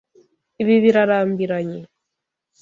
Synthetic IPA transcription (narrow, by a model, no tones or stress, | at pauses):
iβiβiɾaɾambiɾaɲe